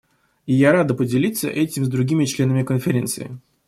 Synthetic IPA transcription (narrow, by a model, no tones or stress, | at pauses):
ɪjaɾad̪əpədʲɪlʲit̪sə̰ʔɛtʲɪmzd̪ɾʊɡʲimʲɪt͡ɕlʲe̞nəmʲɪkənfʲɪɾʲe̞nt̪sɨ̰ɪ